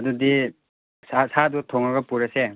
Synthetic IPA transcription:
ɐdudi | sasadutʰoŋaɡɐpuɾase

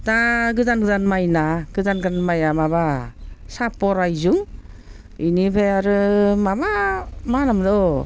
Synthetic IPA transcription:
daɡɯzanɡɯzanmajnaɡ̥ɯzanɡɯzanmajamaβasapɔɾajzuŋ | inibʰejaɾɯmabamanamdɔ

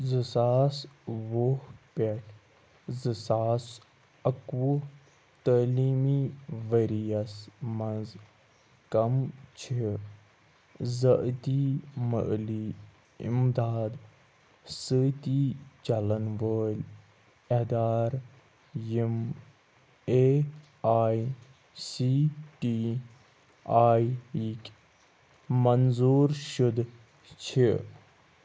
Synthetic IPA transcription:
zɨsaːsʋohpeʈʰ | zɨsaːs | ɐkʋu | t̪əːliːmiʋəɾijɐsmɐ̃nz | kɐmt͡ʃʰi | zɐʔt̪imə̰ʔliː | ḭmd̪aːd̪ | sɨt̪it͡ʃɐlɐnʋəːlʲ | ed̪aːɾ | im | e | aːj | siʈi | aːjikʲ | mɐnzuːɾʃud̪ | t͡ʃʰi

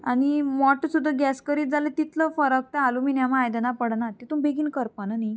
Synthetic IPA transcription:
aɽ̃imɔʈsud̪ʱːəɡɛskəɾiːt̪̚d͡zalet̪it̪ləfəɾək̚t̪ẽaluminjamajd̪ənapəɽnat̪et̪umbeɡiːnkəɾpənani

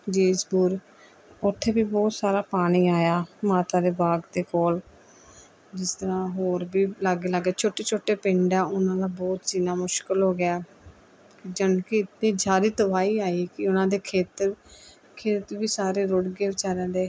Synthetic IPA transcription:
d͡ʒeːsbuːɾ | ʊt̪ʰːeːbiːbɔːt̪saːɾaːpaːɽ̃iːaːjaːmaːt̪aːd̪eːbaːɡd̪eːkoːl | d͡ʒɪst̪əɾãːɦoːɾbiːləɡeːləɡaːt͡ʃʰoːʈeːt͡ʃʰoːʈːeːpɪ̃ɳɖɛːʊnãːd̪aːbɔːt̪siːnaːmʊʃkəlɦoːɡɪaː | kd͡ʒənkiɪt̪nĩːd͡ʒaːɾiːt̪əʋaːiːaːiːkɪʊnãːd̪eːkʰeːt̪ | kʰeːt̪ʋiːsaːɾeːɾʊɽɡeːʋɪt͡ʃaːɾɛ̃ːd̪eː

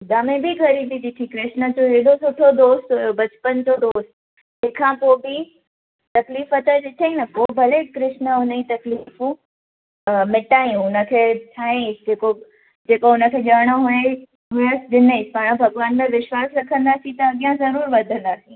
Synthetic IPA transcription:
d̪aːmẽbʱiɡʱɐɾib̪id̪ɪʈ̪ʰĩkɾɪʃnə̆d͡ʑoɦeɦɗosʊʈʰod̪oːst̪ɦʊjobɐt͡ɕpənd͡ʑod̪oːst̪ | ɦeːkʰãːpoːbɪ | t̪ɐkliːfɐt̪əɗɪʈ̪ʰeĩnɐpoːbʱɐlekɾɪʃnəʊnəĩt̪ɐklifũ | mɪʈaːĩũʊnə̆kʰeːʈʰaːẽsd͡ʑeːko | d͡ʑeːkoʊnə̆kʰeːʄaːɽ̃oɦʊe | ɦʊəsɗɪneispaːɽ̃bʱɐɡʋaːnmẽʋɪʃwaːsɾɐkʰə̃nd̪aːsĩt̪ɐɐɠijãzɐɾuːɾʋɐd̪ʱə̃nd̪aːsĩ

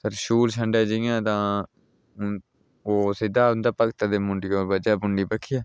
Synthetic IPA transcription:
səɾʃuːlt͡ʃʰəɳɖaːd͡ʒɪjãːt̪ãː | oːsɪid̪aːʊnd̪aːpəkt̪aːd̪eːmʊɳɖiːoːɾbəd͡ʒaːbʊɳɖiːpəkʰɪjaː

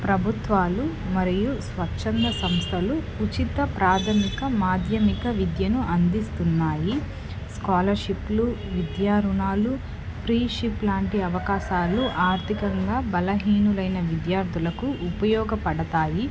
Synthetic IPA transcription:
pɾɐbʱut̪ʋaːlu | mɐɾijusʋɐt͡ʃːʂɐnd̪ɐsɐmst̪ʰɐlu | ut͡ʃit̪ɐpɾaːt̪ʰɐmikɐmaːd̪ʱjɐmikɐʋid̪jɐnuʔɐnd̪ist̪unːaːji | skaːlɐɾʃiplu | ʋid̪jaːɾuɳaːlu | pʰɾiːʃiplaːɳʈiɐʋɐkaːʃaːluʔaːɾt̪ʰikɐŋɡaːbɐlɐɦiːnulɐjnɐʋid̪jaːɾd̪ʱulɐkuupɐjɔːɡɐpɐɽɐt̪aːji

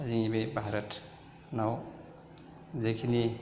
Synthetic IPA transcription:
ziŋibebʱaɾɐt | naw | zekʰini

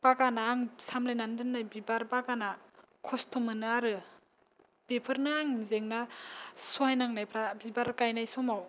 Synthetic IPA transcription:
b̥aɡanaːŋsamlajnandɯnːajbibaɾbaɡana | kʰɔstʰɔmɯnɯaɾɯ | b̥epʰɯɾnɯaŋzeŋnasuajnaŋnajpʰɾabibaɾkajnajsɔmaw

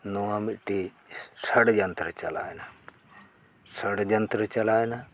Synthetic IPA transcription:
nuamiʈi | sɐɽd͡ʒɐnt̪ɾət͡ʃɐlaːjna | sɐɽd͡ʒɐnt̪ɾət͡ʃɐlaːjna

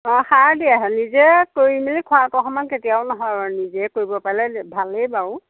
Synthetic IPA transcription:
ɔ̃haɹdiaɦɛnizɛkoɹimilikʰʊatɔxɔmanketijaʊnɔɦɔjanizɛkoɹibɔpaɹlɛbʱalejbaʊ

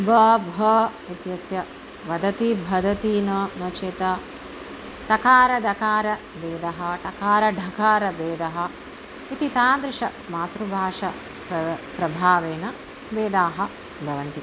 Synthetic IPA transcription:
bʱɐbʱɐ | it̪jɐsjɐ | ʋɐd̪ɐt̪ibʱɐd̪ɐt̪iːnɐnɐt͡ʃet̪ɐ | t̪ɐkaːɾɐd̪ɐkaːɾɐ | beːd̪ɐɦɐʈ̪ɐkaːɾɐɖʱɐkaːɾɐbeːd̪ɐɦɐ̆ | it̪it̪aːnd̪ɾɪʂɐmaːt̪ɾubʱaːʂɐ | pɐpɾɐbʱaːʋeːnɐ | beːd̪aːɦɐ̆ | bʱɐʋɐnt̪i

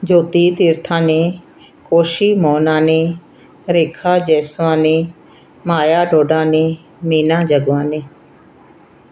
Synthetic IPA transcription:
d͡ʒoːt̪iːt̪ɪɾt̪ʰãːneː | koːʃiːmɔːnãːneː | ɾeːkʰaːd͡ʒɛːsʋãːnẽː | maːjaːɖoːɖãːneː | miːnãːd͡ʒəɡʋãːneː

